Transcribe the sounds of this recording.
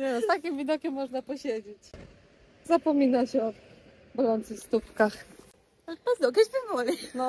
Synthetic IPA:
ɲɛnɔst̪akʲimvʲid̪ɔkʲɛmːɔʐnapɔɕed͡ʑet͡ɕ | zapɔmʲinaɕɛɔ | bɾɔnt̪sɨfst̪upkax | ap̪ɛzd̪ɔkɛd͡ʑbɨvɔlʲinɔ

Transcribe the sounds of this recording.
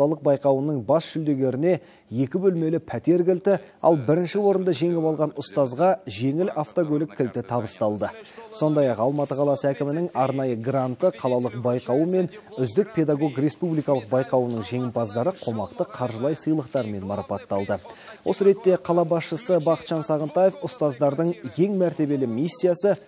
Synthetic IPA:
ɑlˠəq̚bɑjqɑwənəɴbɑsʃʏld̪e̞ɡʲe̞ɾɪne̞ | je̞kʲɪbɵlme̞lɪpʰæt̪e̞ɾɡʲɪlt̪ɪɑ̰lˠbɪɾɪnʃɪwo̞ɾənd̪ɑʒe̞ŋɪpɑlˠʁɑnʊst̪ɑzʁɑʒe̞ŋɪlaft̪oɡʲolɪkʲʰːɪlt̪ɪt̪ʰɑbəst̪ɑlˠd̪əso̞nd̪ɑjɑqɑlˠmɑt̪əqʰɑlˠɑsəækʲɪmɪnɪŋɑɾnɑjəɡrant̪əqʰɑlˠɑlˠəq̚bɑjqɑwəme̞nʏzd̪ɪk̚pʰʲe̞d̪aɡo̞ɡrʲe̞spublijkɑlˠəq̚bɑjqɑwənəɴʒe̞ŋɪmpɑzd̪ɑɾəqʰo̞mɑqt̪əqʰɑɾʒəlˠɑjsəjlˠəqt̪ɑɾme̞nmɑɾɑpɑt̪ːɑlˠd̪ə | wʔo̞səɾe̞t̪ːe̞qʰɑlˠɑbɑsʃəsəbɑqət̪ʒ̥ɑnsɑʁənt̪ɑje̞fʊst̪ɑzd̪ɑɾd̪əɴje̞ŋmæɾt̪e̞be̞lɪmisʲːijasə

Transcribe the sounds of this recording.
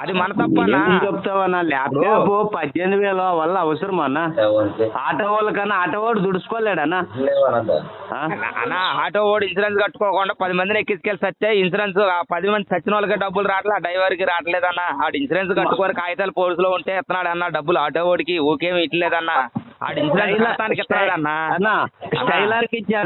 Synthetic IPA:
ɐd̪imɐnɐt̪ɐpːɐnːd͡ʒeput̪aːʋɐnːaːlɛːpːepupɐd̪jeniʋɛːloʋɐlːɐːʋɐsɐɾɐmɐnːa | aːʈoːoːlɐkɐnːaaːʈɐʋoːɖd̪uɽuskoːleːɽɐnːa | aɐ̰nːaːaːʈoːʋoːɖinsuɾensɡɐʈːu̥kɔːkɔɳɖaːpɐd̪imɐnd̪inekːit͡ʃkeːlsɐt̪ːeːinsiɾensaːpɐd̪imɐnd̪isɐt͡ʃːinɐlɐkeːɖɐbːuluɾaːʈɐlaːɖɐjʋɐɾkiɾaːʈɐleːd̪ɐnːaːaːɽinsiɾensɡɐʈːu̥kɔɐnikaːjɐt̪ɐːlɐpoːlis̬loːuɳʈeːɪt̪ːɐnaːɽɐnːaːɖɐbːuluaːʈoːʋoːɖikioːkeːmiʈːɐleːd̪ɐnːaːa̰ːɽinsiɾensɐt̪ːaːnikɪt̪ːɐnaːɽɐnːaːɐnaɐ̰nʈɐjlaːɾkit͡ʃːaːɽ

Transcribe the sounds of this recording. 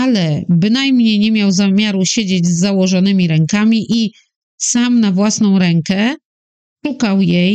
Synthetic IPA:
alɛbɘnajmɲejɲɛmʲjawzamʲjaɾuɕed͡ʑed͡ʑzːawɔʐɔnɘmʲiɾɛŋkamʲiʔi | samnavwasn̪ɔ̃w̃ɾɛŋkɛ | ʂukawjej

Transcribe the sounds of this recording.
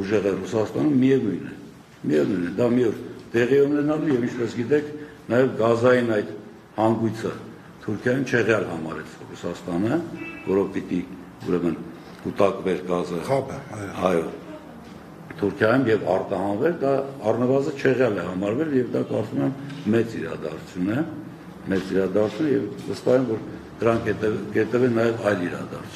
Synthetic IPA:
uʒɛʁɛrusɑst̪ɑnumːiɛvujnɛ̰ | miɛvnujnɛd̪ɑmiɔɾt̪ɛʁiɛunɛnɑlujɛvint͡ʃʰpɛsɡit̪ɛkʰ | nɑjɛvɡɑzɑjinɑjd̪ | hɑŋɡujt͡sʰə | t̪ʰuɾkʰjɑjumt͡ʃʰɛʁjɑlhɑmɑ̰ɾɛt͡sʰrusɑst̪ɑnəvɔɾɔvpit̪i | ṵɾɛmən | kut̪ɑkvɛɾɡɑzə | ɑjɔ | t̪ʰuɾkʰjɑjumjɛvɑrt̪ɑhɑnvɛɾd̪ɑɑrnəvɑzənt͡ʃʰɛʁjɑlɛhɑmɑɾvɛljɛvd̪ɑkɑɾt͡sumɛmːɛt͡siɾɑ̰d̪ɑ̰ɾt͡sʰjunɛ | mɛt͡siɾɑd̪ɑɾt͡sʰjunəjɛvvəst̪ɑhɛnvɔɾd̪̥əɾɑŋkʰɛkɛt̪ɛvɛnːɑjɛvɑjliɾɑ̰d̪ɑ̰ɾt͡sʰ

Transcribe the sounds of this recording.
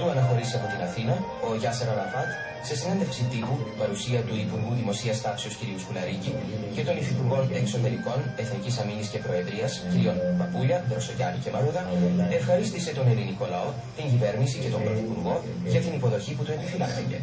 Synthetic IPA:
t̪uɐnɐxo̞ɾiseɐpo̞t̪inɐθinɐ | o̞ʝɐseɾoɾɐfɐt̪ | se̞sine̞nd̪efksit̪ipupɐɾusiɐt̪uipuɾɣuðimo̞siɐst̪ɐpseosciɾiuskulɐɾicice̞t̪o̞niθipuɾɣo̞ne̞kso̞t̪e̞ɾiko̞ne̞θnicisɐminisce̞pɾo̞e̞ðɾiɐsciɾio̞nmɐpuʎɐd̪ɾo̞soʝɐɾice̞mɐɾuðɐefxɐɾist̪ise̞t̪o̞ne̞liniko̞lɐo̞ | t̪iɲɟive̞ɾnisice̞t̪o̞mbɾoθipuɾɣo̞ | ʝɐt̪inipo̞ðo̞çiput̪ue̞pifilɐsice̞̰

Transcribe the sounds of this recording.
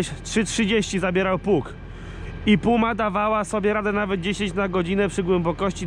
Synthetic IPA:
tʂɘtʂɘd͡ʑeɕt͡ɕizabʲjɛɾawpuk | ipumad̪avawasɔbʲjɛɾad̪ɛnavɛd̪̚d͡ʑeɕeɲt͡ɕnaɡɔd͡ʑinɛpʂɘɡwɛmbɔkɔɕt͡ɕi

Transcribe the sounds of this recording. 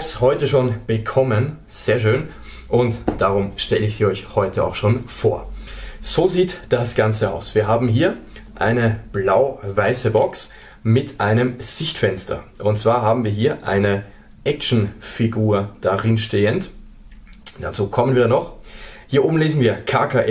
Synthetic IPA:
shɔʏtəʃoːnb̥əkʰɔmən | z̥eːɐʃøːn | ʔʊntd̥aʁʊmʃtɛləɪçz̥iːɔʏçhɔʏtʰəa̰ʊxʃoːnfoːɐz̥oːziːtd̥asɡ̥ant͡səa̰ʊsv̥iːɐɦaːbm̩ɦiːɐ | ʔa̰ɪnəb̥laʊvaɪsəbɔks | mɪtʔaɪnəmz̥ɪçtfɛnstʰɐ̰ʔʊnt̚t͡sv̥aːɐɦaːbm̩viːɐɦiːɐʔa̰ɪnə | ʔɛk̚ʃn̩fiɡuːɐd̥aʁɪnʃteːənt | d̥at͡suːkʰɔmənviːɐnɔχhiːɐʔoːbm̩leːzn̩viːɐkʰaːkaʔɛ

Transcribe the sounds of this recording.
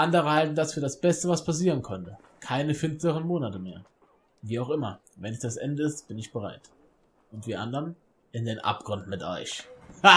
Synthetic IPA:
ʔandəʁ̞əhaltn̩dasfyːɐdasb̥ɛstəvaspʰas̬iːʁ̞ənkʰœntə | kʰaɪnəfɪnstəʁ̞ənmoːnatəmeːɐ | viːaʊxʔɪmɐ̰ | vɛnɪçd̥asʔɛ̰ndəɪstb̥ɪnɪçb̥əʁ̞a̰ɪt | ʊntv̥iːɐʔa̰ndəʁən | ʔɪndeːnʔa̰p̚ɡ̥ʁʊndn̩mɪtʔɔ̰ʏç

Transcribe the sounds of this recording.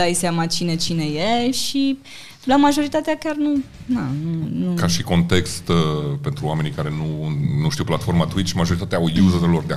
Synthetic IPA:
ajsjamat͡ʃine̞t͡ʃine̞jeʃi | lamaʒo̞ɾit̪at̪eakʲarnu | nanunukaʃiko̞nt̪e̞kst̪əpe̞nt̪ɾuwame̞nikaɾe̞nunuʃt̪iuwplat̪fo̞rmat̪uit͡ʃmaʒoɾit̪at̪ʲaujuzəelo̞rd̪ea

